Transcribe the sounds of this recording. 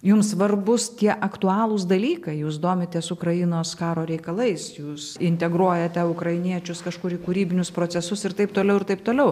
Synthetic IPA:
jʊmssʋɐrbʊst̪ʲiɛʔɐkt̪ʊɑːlˠʊs̬d̪ɐlʲiːkɐɪjuːsd̪oːmʲɪt̪ʲeːsʊkrɐjɪnoːskɑːɾoːɾʲɛɪkɐlˠɐɪsjuːsɪnʲt̪ʲɛɡɾuɔjɛt̪ʲɛʊkrɐɪnʲiɛt͡ʃʲʊskɐʃkʊɾiːkuɾʲiːbʲɪnʲʊspɾoːt͡sʲɛsʊsɪɾt̪ɐɪp̚t̪oːlʲɛʊɪɾt̪ɐɪp̚t̪oːlʲɛʊ

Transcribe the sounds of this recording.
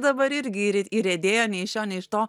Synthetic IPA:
d̪ɐbɐɪɾɪɾʲɡʲɪɾʲiɾɛd̪ʲeːjonʲɛɪʃʲonʲɛɪʃt̪oː

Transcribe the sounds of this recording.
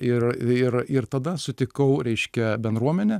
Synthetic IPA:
ɪrɪrɪrt̪ɐd̪ɐsʊt̪ʲɪkɐʊɾʲɛɪʃʲkʲɛbʲɛnd̪ɾuɔmʲɛnʲɛ

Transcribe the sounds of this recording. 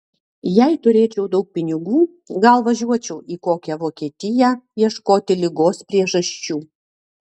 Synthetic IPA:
jɛɪt̪ʊɾʲeːt͡ʃʲɛʊd̪ɐʊk̚pʲɪnʲɪɡuː | ɡɐlˠʋɐʒʲuɔt͡ʃʲɛʊʔiːkoːkʲɛʋoːkʲiɛt̪ʲɪjæjiɛʃkoːt̪ʲɪlʲɪɡoːspʲɾʲiɛʒɐʃʲt͡ʃʲuː

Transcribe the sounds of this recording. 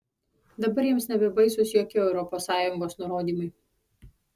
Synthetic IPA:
d̪ɐbɐɾjiɛmsnʲɛbʲɛbɐɪsʊsjoːkʲɪɛʊɾɔpoːsɑːjʊŋɡoːsnʊɾoːd̪ʲiːmɐɪ

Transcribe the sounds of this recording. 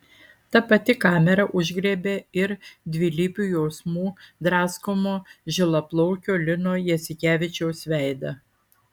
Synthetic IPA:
t̪ɐpɐt̪ʲɪkɑːmʲɛɾɐʔʊʒʲɡɾʲeːbʲeɪɾd̪ʲʋʲɪlʲiːpʲuːjɛʊsmuːd̪ɾɑːskomoːʒʲɪlˠɐplˠɔʊkʲoːlʲɪnoːjɛsʲɪkʲæːʋʲɪt͡ʃʲɛʊsʋʲæˑɪd̪ɐ

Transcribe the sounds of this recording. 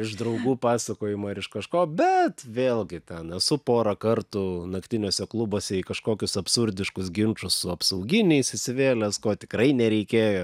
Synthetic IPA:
ɪʃd̪ɾɐʊɡuːpɑːsɐkoːjɪmoːɪɾɪʃkɐʃkoːbʲɛt̪ʋʲeːlˠɡʲɪt̪ʲɛnɛsʊpoːɾɐkɐrt̪uːnɐkt̪ʲɪnʲoːsʲɛklˠʊboːsʲɛikɐʃkoːkʲʊsɐpsʊɾʲd̪ʲɪʃkʊsɡʲɪnt͡ʃʊsːʊɐpsɐʊɡʲɪnʲɛɪsʲɪsʲɪʋʲeːlʲɛskoːt̪ʲɪ̥kɾɐɪnʲɛɾʲɛɪkʲeːjoː

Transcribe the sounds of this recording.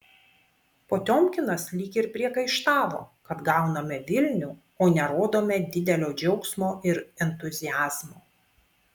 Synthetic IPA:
poːt̪ʲoːmʲkʲɪnɐslʲɪkʲɪɾpʲɾʲiɛkɐɪʃt̪ɑːʋo̰ːkɐt̪ɡɑˑʊnɐmʲɛʋʲɪlʲnʲu | oːnʲɛɾoːd̪oːmʲɛd̪ʲɪd̪ʲɛlʲoːd͡ʒʲɛʊksmoːɪɾɛnt̪ʊzʲɪjæːz̥moː

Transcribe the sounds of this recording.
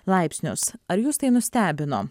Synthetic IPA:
lˠɐɪpʲsʲnʲʊsɐɾjuːst̪ɐɪnʊsʲt̪ʲæːbʲɪno̰ː

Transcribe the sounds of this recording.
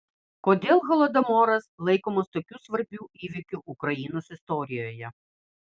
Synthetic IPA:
kɔd̪ʲɛlˠɣɔlˠɔd̪ɐmɔɾɐslˠejkɔmɔst̪ɔkʲusʋɐɾbʲuiʋʲɪkʲʊʔʊkɾɐjinɐsɪst̪ɔɾʲɪjɔjɐ

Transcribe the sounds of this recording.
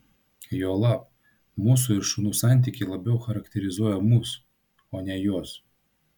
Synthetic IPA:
joːlˠɑːp | muːs̬ʊɪɾʃʊnuːsɑˑnʲt̪ʲiːˑkʲɪlˠɐbʲɛʊxɐɾɐkt̪ʲɛɾʲɪzuɔjɛmuːs | oːnʲɛjuɔs

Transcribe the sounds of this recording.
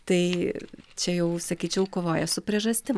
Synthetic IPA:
t̪ɐɪt͡ʃʲɛjɛʊsɐkʲiːt͡ʃʲɛʊkoːʋoːjɛsʊpʲɾʲiɛʒɐsʲt̪ʲɪm

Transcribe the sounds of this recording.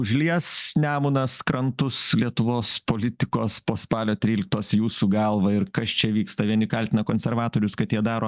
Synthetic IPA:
ʊʒʲlʲiɛsnʲæːmʊnɐskɾɐnt̪ʊslʲiɛt̪ʊʋoːspoːlʲɪt̪ʲɪkoːspoːspɑːlʲoːt̪ʲɾʲiːlʲɪk̚t̪oːsjuːsuɡɐlˠʋɐɪɾkɐst͡ʃʲɛʋʲiːkst̪ɐʋʲiɛnʲɪkɐlʲt̪ʲɪnɐkoːnʲsʲɛrʋɑːt̪oːɾʲʊskɐt̪jiɛd̪ɑːɾoː

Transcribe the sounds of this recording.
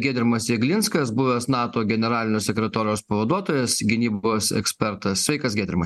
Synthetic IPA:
ɡʲæːd̪ʲɾʲɪmɐsiɡlʲɪnskɐsbʊʋʲosnɑːt̪oːɡʲɛnʲɛɾɑːlʲɪnʲoːsʲɛkʲɾʲɛt̪oːɾʲɪjoːspɐʋɐd̪uɔt̪oːjeːsɡʲɪnʲiːboːsɛ̰ksʲpʲɛɾt̪ɐssʲʋʲɛɪkɐsɡʲæːd̪ʲɾʲɪmɐs

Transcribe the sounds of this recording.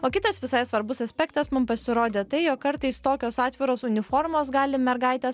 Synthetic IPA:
oːkʲɪt̪ɐsʋʲɪsɐɪsʋɐɾbʊsɐsʲpʲɛkt̪ɐsmʊmpɐsʲɪɾoːd̪ʲeːt̪ɐɪjokkkɐɾt̪ɐɪst̪oːkʲoːsɑːt̪ʲʋʲɪɾoːsʊnʲɪfoːɾmoːsɡɑːlʲɪmʲɛɾɡɐɪt̪ʲɛs

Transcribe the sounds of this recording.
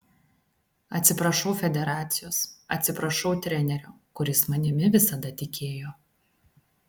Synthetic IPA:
ɐt̪ʲsʲɪpɾɐʃɔʊfʲɛd̪ʲɛɾɑːt̪sʲɪjoːsɐ̰t̪ʲsʲɪpɾɐʃɒʊt̪ʲɾʲɛnʲɛɾʲuː | kʊɾʲɪsmɐnʲɪmʲɪʋʲɪsɐd̪ɐt̪ʲɪkʲʰeːjoː

